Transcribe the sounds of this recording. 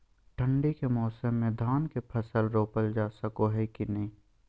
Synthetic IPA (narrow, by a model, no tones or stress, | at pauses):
ʈʰə̃ɳɖekemɔːsəmːẽd̪ʱaːnkepʰɐsəlɾoːpəld͡ʒaːsəkoɦɛkinɐɦĩː